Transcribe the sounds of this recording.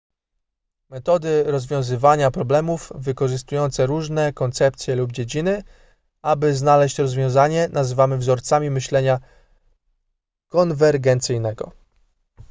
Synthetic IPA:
mɛt̪ɔd̪ɘɾɔzvʲjɔ̃w̃zɘvaɲapɾɔblɛmufvɘkɔʐɘst̪ujɔnt̪sɛɾuʐnɛkɔnt̪sɛp̚t̪sʲjɛlubd͡ʑed͡ʑinɘ | abɘznalɛɕt͡ɕɾɔzvʲjɔ̃w̃zaɲɛnazɘvamɘvzɔɾt̪samʲimɘɕlɛɲa | kɔnvɛɾɡɛnt̪sɘjnɛɡɔ̰

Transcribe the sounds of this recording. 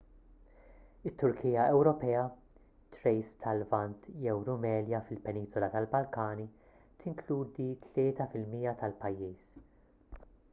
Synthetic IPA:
ɪt̪ːʊɾkʰiːjɐɛwɾɔpɛːɐ | t̪ɾɛjst̪ʰɐlvɐnt̪jɛwɾʊmɛːljɐfɪlpɛniːsɔlɐt̪ɐlbɐlkɐːni | t̪ɪŋkluːd̪it̪ʰlɪːt̪ɐfɪlmiːjɐt̪ɐlpɐjːiːs

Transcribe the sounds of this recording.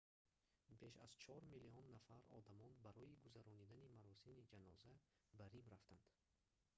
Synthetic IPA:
be̞ʃa̰zt͡ʃʰɔɾmiliɔnːafaɾɔ̰d̪amɔnbaɾɔiɡuzaɾɔnid̪animaɾɔsimid͡ʒanɔ̰zabaɾimɾaft̪ʰand̪̥

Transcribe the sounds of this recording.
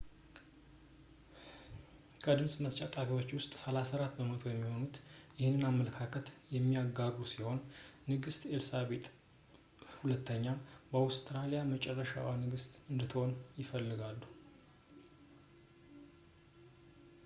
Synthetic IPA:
kʰəd̪ɨmsʼməst͡ʃʼat̪ʼafiwo̞t͡ʃːwʊst̪ʼsəlasaɾat̪ːbəmət̪ʰo̞jɛmːiho̞nut̪jɪhɪnːɨnamːələkʰakʰət̪jɛmːiaɡaɡusiho̞nːɨɡɨst̪ʼelsaβe̞t̪ʼ | hulət̪ːəɲːabəawst̪ʰʼɾalijamət͡ʃʼɛrːəʃa̰wanɨɡɨst̪ʼɨnd̪ət̪ʰəho̞njɪfəlːɨɡalːu̥

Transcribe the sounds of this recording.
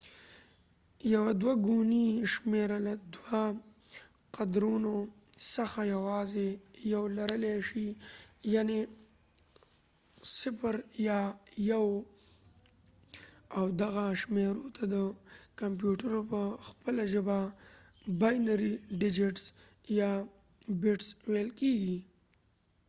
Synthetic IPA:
jawad̪waɡuniʃmeɾalad̪wa | qad̪ɾuno | səxajawɑzejawlaɾəleʃijane | sɪfəɾjɑjaw | awd̪aɣaʃmeɾot̪ʰad̪əkamp̬juʈaɾopəxpəlaʒəba | bajnaɾiɖɪd͡ʒɪʈs | jɑ | bɪʈswejlkeɡi

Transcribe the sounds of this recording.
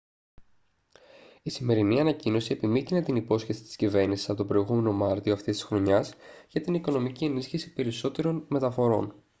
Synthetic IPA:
isime̞ɾiniɐnɐcino̞sie̞pimit̪inet̪inipo̞sçe̞si̥t̪i̥scive̞ɾnisi̥sɐpot̪o̞bɾo̞iɣume̞no̞mɐɾt̪io̞ɐft̪ist̪isxɾo̞ɲɐsʝɐt̪iniko̞no̞micie̞nisçisi̥pe̞ɾiso̞t̪e̞ɾo̞nme̞t̪ɐfo̞ɾo̞̰n

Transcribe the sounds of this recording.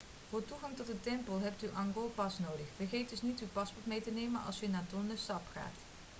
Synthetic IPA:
v̥ʊːɹtuɣɑŋtɔt̚dətɛmpəlˠɦɛp̚tyʔɑŋɡolˠpɑsnowdəχfərχejt̚dɵsnitywpɑspɔɹtmejtənejmənɑ̰lˠsənaːtɔndəstɑpχa̰ːt

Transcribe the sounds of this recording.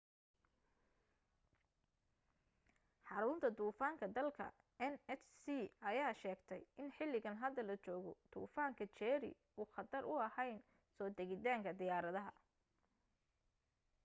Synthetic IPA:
ħɑɾʊnt̪ʰɐd̪uːfaːŋkʰɐd̪ɐlkʰɐ̰ | ɛnɛt͡ʃsiɐjaːʃɛːɡt̪ʰɛjɪnħɪlːɪɣɐnɦɐd̪ːɐlɐt͡ʃɔːɣɔd̪̥ṵːfaːŋkʰɐt͡ʃɛːɾɪ̰ | uːxɑd̪ɐɾʔʊɐhɛjn | sɔːd̪ɛɣɪt̪aːŋkʰɐd̪ɪjaːɾɐðɐɦɐ

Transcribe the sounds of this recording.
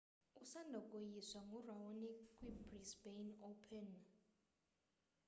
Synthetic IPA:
usandʱɔkʼojiswaŋɡʱurawonikʼwibrisbenopʰɛn

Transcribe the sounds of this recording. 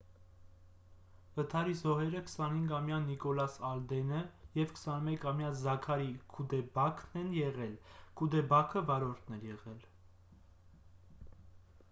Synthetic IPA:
vət̪ʰɑɾizɔɦɛɾəkʰə̥sɑnhiŋɡɑmjɑnikɔlɑsɑld̪ɛnəjɛvkʰə̥sɑnmɛkʰɑmjɑzɑkʰɑɾikʰud̪ɛbɑkʰnɛnjɛʁɛlkʰud̪ɛbɑkʰəvɑɾɔɾt̪ʰnɛɾjɛʁɛl

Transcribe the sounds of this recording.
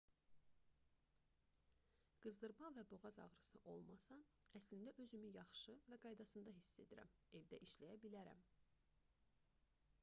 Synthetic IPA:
ɡ̥ɯzd̪ɯɾmɑvæbo̞ʁɑzɑ̰ʁɾɯsɯʔo̞lˠmɑsɑæslind̪æʔø̞zymyjɑχʃɯvæɡɑjd̪ɑsɯnd̪ɑɦisːe̞d̪iɾæ̰me̞vd̪æʔiʃlæjæbilæɾæ̰m

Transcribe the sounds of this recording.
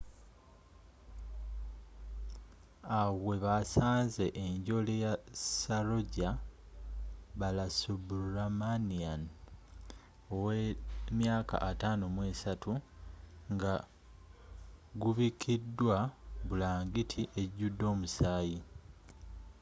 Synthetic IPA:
awwe̞βasaːnze̞ʔeɲɟo̞lejasalo̞ɟa | βalasubuɾamanian | owemjaːka̰ʔataːnomwe̞ːsatu | ŋɡa | ɡuβikʰidːwaβulaːŋɡitʰiʔe̞ɟudːo̞ːmusaːji

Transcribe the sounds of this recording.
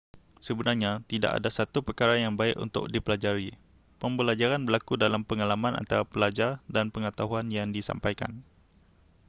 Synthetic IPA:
səbənarɲat̪ida̰ʔa̰dasat̪upərkaɾajaŋbaɪkṵnt̪ʊ̰k̚dipəlad͡ʒaɾi | pəmbəlad͡ʒaɾanbərlakudalampəŋalamãnʔa̰nt̪aɾapəlad͡ʒardanpəŋət̪aɦuanjaŋdisa̰mpajka̰n

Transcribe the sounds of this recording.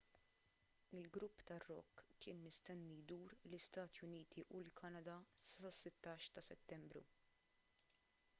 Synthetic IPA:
ɪlɡɾʊpːt̪ɐrːɔ̰kːɪːnːɪst̪ɛnːid̪uːɾlɪst̪ɐːt̪jʊniːt̪ʰiʔulkʰɐnɐd̪ɐsɐsɪt̪ːɐːʃt̪ɐsɛt̪ːɛmbɾṵ

